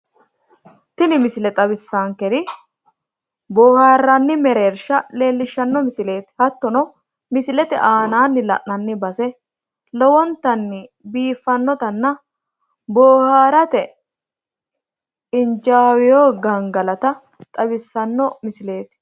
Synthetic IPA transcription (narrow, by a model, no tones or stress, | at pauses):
t̪ɪnɪmɪsɪlɛt̪ʼɐbɪsːaːŋkɛɾɪ | boːhaːɾːɐnːɪmɛɾeːɾʃɐle̞ːlːɪʃːɐnːɔmɪsɪle̞ːt̪ɪ̥hɐt̪ːɔnɔ | mɪsɪlɛt̪ɛ̰ʔaːnaːnːɪlɐ̰ʔnɐnːɪbɐsɛ | lɔwɔnt̪ɐnːɪbiːfːɐnːɔt̪ɐnːɐ | boːhaːɾɐt̪ɛ | ɪnd͡ʒaːwɪjoːɡɐŋɡɐlɐt̪ɐ | t̪ʼɐbɪsːɐnːɔmɪsɪle̞ːt̪ɪ̥